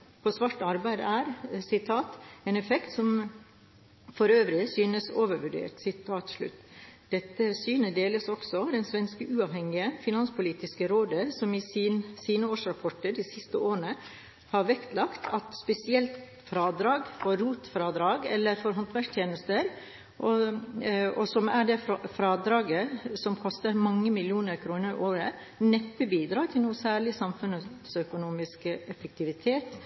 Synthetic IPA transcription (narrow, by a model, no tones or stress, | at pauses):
pʰɔsʋɑʈːɑɾbæɪd̪æːɾsɪt̪ʰɑːt̪eːnɛfɛkt̪sɔm | fɔɾøːʋɾɪsyːnəsoːʋəɾʋʉɖḛːʈ̪sɪt̪ʰɑːt̪ʂɭʉ̰t̪ːd̪ɛt̪ːəsyːnəd̪eːləsɔksɔd̪ɛnsʋɛnskəʔʉːɑʋhɛŋɪəfɪnɑnspʊliːt̪ɪskəɾoːd̪əɾsɔmɪsiːnəoːʂɾɑpʰɔʈːəɖisɪst̪əoːɾəɳə | hɑːɾʋɛkt̪ʰlɑkt̪ʰɑt̪spɛsɪɛlt̪ | fɾɑːd̪ɾɑːɡfɔɾːuːt̪fɾɑːd̪ɾɑːɡɛ̰lːəɾfɔɾɦɔnt̪ʰʋæʂt̪ʰjeːnəst̪əɾ | ʔɔ | ɔsɔmæɖɛfɾɑːd̪ɾɑːɡəsɔmkʰɔst̪əɾmɑŋːəmɪljuːnəɾkʰɾuːnəɾʔoːɾə | nɛpːəbiːd̪ɾɑːt̪ʰɪlnuːəsæːɭɪsɑmfʉnəsœkʊnuːmɪskəʔɛfək̚t̪ʰɪʋɪt̪ʰeːt̪